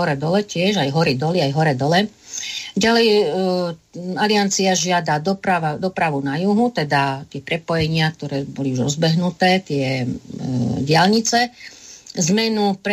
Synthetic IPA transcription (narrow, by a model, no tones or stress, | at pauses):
ɔɾɛd̪ɔlɛcɪɛʒajɦɔɾid̪ɔliajɦɔɾɛːd̪ɔlɛ | ɟalɛj | aliant͡siaʒɪad̪ad̪ɔpɾaʋad̪ɔpɾaʋunajuɦut̪ɛd̪at̪ɪɛpɾɛpɔjɛɲɪak̚t̪ɔɾɛːbɔliuʒɾɔzbɛɦnut̪ɛːt̪ɪɛ | ɟɪalɲit͡sɛ | zmɛnupɾ